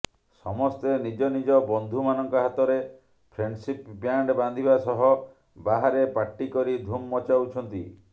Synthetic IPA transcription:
sɔmɔst̪enid͡ʒɔnid͡ʒɔbɔnd̪ʱumanɔŋkɔɦat̪ɔɾe | pʰɾensipbjaɳɖband̪ʱibasɔɦɔ | baɦaɾepaʈːikɔɾid̪ʱumːɔt͡ʃawt͡ʃʰɔnt̪i

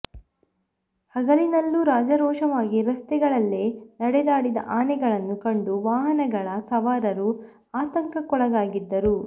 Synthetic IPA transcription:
hɐɡɐlinɐlːuɾaːd͡ʒɐɾɔːʂɐʋaːɡiɾɐst̪ɛɡɐɭɐlːenɐɽɛd̪aːɽid̪ɐ̰ʔaːnɛɡɐɭɐnːukɐɳɖuʋaːɦɐnɐɡɐɭɐsɐʋaːɾɐɾu | aːt̪ɐŋkɐkɔɭɐd̪aːɡid̪ːɐɾu

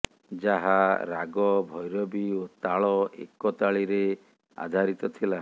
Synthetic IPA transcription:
d͡ʒaɦaɾaɡɔbʱɔjɾɔbiot̪aɭɔḛkɔt̪aɭiɾe | a̰d̪ʱaɾit̪ɔt̪ʰila

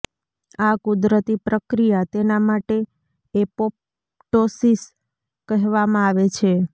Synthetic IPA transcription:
akʊd̪ɾət̪ipɾəkɾijat̪enamaʈeː | pop̚ | ʈosis | kəɦʋamãaʋet͡ʃʰe

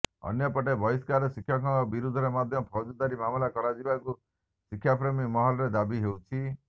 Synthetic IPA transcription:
ɔ̰njɔpɔʈebʱɔjskaɾɔsikʰjakɔɡɔbiɾud̪ʱɔɾemad̪ʱjɔpʰɔd͡ʒud̪aɾimamɔlakɔɾad͡ʒibaku | sikʰːjapɾemimɔɦɔlɔɾed̪abiɦewt͡ʃʰi

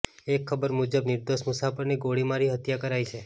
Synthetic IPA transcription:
ekʰːəbəɾmud͡ʒəbnɪɾd̪oʃmusafəɾniɡoɽimaɾiɦət̪jakəɾajt͡ʃʰe

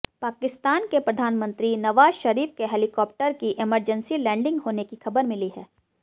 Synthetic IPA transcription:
paːkɪst̪aːnkepɾɐd̪ʱaːnmə̃nt̪ɾinɐʋaːzʃɐɾiːfkeɦɛːlɪkɔːp̚ʈəɾkiʔɪməɾd͡ʒənsilɛ̃ːɳɖɪ̃ŋɡɦoːnekixɐbəɾmɪliɦɛː

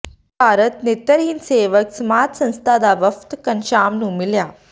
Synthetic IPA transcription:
baːɾət̪nit̪ːəɾiːnseːʋəksmaːt̪sɐ̃ñst̪ʰad̪aʋəft̪kənɕaːmnũːmilja

